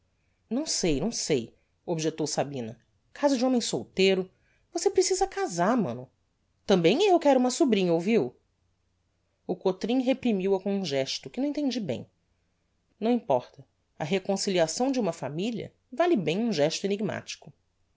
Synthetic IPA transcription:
nɐ̃w̃sejnɐ̃w̃sej | obʒet̪owsabĩnɐ | kʰazɐd͡ʒɪ̃õmẽsowt̪eɾʊ | vosepɾesizɐkazaɾmɐ̰̃nʊ | t̪ɐ̃mbẽj̃ewkɛɾʊũmɐsubɾĩɲɐowviw | ʊkot̪ɾĩɦepɾimiwɐkõũʒɛʃt̪ʊkɪnɐ̃ẽt̪ẽnd͡ʒibḛ̃j̃ | nɐ̃w̃ĩpɔɾt̪ɐ | ɐɦekõsiliasɐ̃w̃d͡ʒɪũmɐfamiliɐ̰ | valɪbẽj̃ũʒɛʃt̪ʊeniɡma̰t͡ʃi̥kʊ

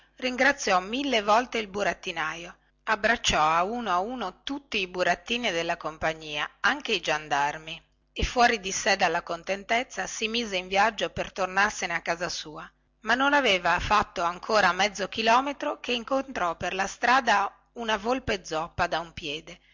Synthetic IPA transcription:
riŋɡɾat̪sːjɔmilːevɔlt̪eilbuɾat̪ːinaːjo | abːɾat͡ʃːɔauːnoauːnot̪ut̪ːiːbuɾat̪ːiːnid̪elːakompaɲːiːaaŋk̟eid͡ʒand̪armi | efːwɔːɾid̪isɛd̪alːakont̪ent̪et̪sːasimiːzeiɱvjad͡ʒːopert̪ornarseneakːaːzasuːa | manːonaveːvafat̪ːoaŋkʰoːɾamɛd̪zːokilɔːmet̪ɾokeiŋkont̪ɾɔperlast̪ɾaːd̪a | unavolped̪zːɔpːad̪aumpjɛːd̪e

